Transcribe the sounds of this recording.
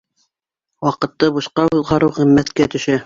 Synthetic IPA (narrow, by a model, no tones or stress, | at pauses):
wɑqɤ̆t̪ːɤbɤ̆ʃqɑulˠʁɑɾɤwʁĭmːæt̪kæt̪ɵ̆ʃæ